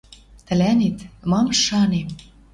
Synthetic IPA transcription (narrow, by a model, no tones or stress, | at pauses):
t̪ə̆lænet̪mɑmʃːɑnem